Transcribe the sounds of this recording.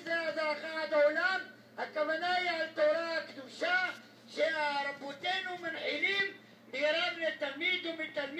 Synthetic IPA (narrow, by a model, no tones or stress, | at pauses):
zeazaχad̪aolam | hakavanaialt̪oɾaakd̪uʃa | ʃeaɾabot̪enumanħilim | bɡɾamlet̪amid̪umet̪alm